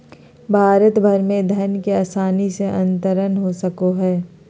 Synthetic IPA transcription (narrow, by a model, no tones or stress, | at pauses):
bʱaːɾət̪bʱɐɾmẽd̪ʱɐɾnkeaːsaːniseʔɐ̰̃nt̪əɾənɦosɐkoɦɛː